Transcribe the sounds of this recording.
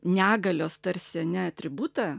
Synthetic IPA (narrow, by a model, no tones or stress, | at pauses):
nʲæːɡɐlʲoːst̪ɐɾʲsʲɛnʲɛɐt̪ʲɾʲɪbut̪ɐ